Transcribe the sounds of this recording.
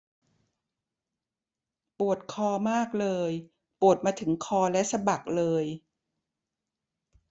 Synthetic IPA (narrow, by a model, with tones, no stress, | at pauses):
pu˨˩ət̪̚kʰɔː˧maː˥˩k̚lɤː˧j | pu˨˩ət̪̚maː˧t̪ʰɯ˩˦ŋkʰɔː˧lɛ˦˥ʔsa˧ba˨˩k̚lɤː˧j